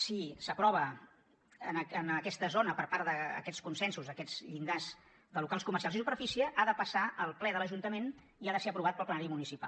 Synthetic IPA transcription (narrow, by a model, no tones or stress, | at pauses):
sisəpɾɔβ̞ə | ənənəkɛst̪əzonəpəɾpaɾðəə̰kɛskunsɛnsuzəkɛz̥ʎind̪az | d̪əlukalˠskuməɾrsialˠz̬isupəɾfisiəʔaðəpəsaʔəlˠplɛðələʒunt̪əmen | iaðəseəpɾuβ̞at̪̚pəlˠplənaɾimunisipa̰l